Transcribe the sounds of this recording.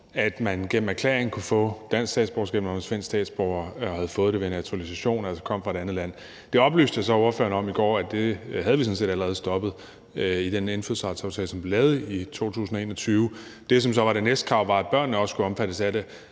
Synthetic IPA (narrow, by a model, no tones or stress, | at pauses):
æd̥mænɡ̥en̰m̩æɐkʰlḛːɐeŋn̩kʰufɔ̰̽d̥æn̰sɡsd̥ɛ̰ːd̥sb̥ɒʊsɡ̥ɛ̰ːb̥nɑmensfen̰ɡ̥sdɛ̰ːd̥sb̥ɒʊɐɒhæð̞̩ˠfɔ̽ːð̞̩ˠde̝ʋenæt͡sʰuʁælisæɕo̝̰ːnælsɒ̥kʰɒ̽m̰fʁɑeɾeænð̩ˠlæn̰ | d̥e̝ɒ̽b̥ly̰ːsd̥əjɑsɒ̽o̝ɐfø̰ɐnəɒ̽miɡ̥ɒ̰ːæd̥e̝hæð̞ˠʋisɒ̽n̩se̝̰ːd̥æləʁɛːð̞̩ˠsd̥ɒ̽b̥ð̩ˠ | id̥enenfyðˠsʁɑ̈sɑ̈ʊt͡sʰɛ̰ːlsɒ̽mʋ̥ilɛːð̞̩ˠəit͡sʰo̝̰ːt͡sʰṵːsn̩ɒe̝̰ːnɒt͡sʰyːʊ | d̥e̝s̬ɒ̽msɒ̽ʋɑ̈ɾ̥e̝nesd̥kʰʁɑ̈ʊ̰ʋɑ̈æd̚b̥ɶɐ̰nːəɒ̽sə̥skuɒ̽mfæɾ̥əsæɾe̝